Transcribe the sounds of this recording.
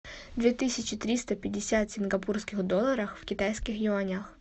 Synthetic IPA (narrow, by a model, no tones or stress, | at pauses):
d̪vʲet̪ɨsʲɪt͡ɕɪt̪ɾʲist̪ɐpʲɪdʲːɪsʲat̪sʲɪnɡɐpurskʲɪxd̪ɔlˠːɐɾɐxfkʲɪt̪ajskʲɪxjɪɐnʲax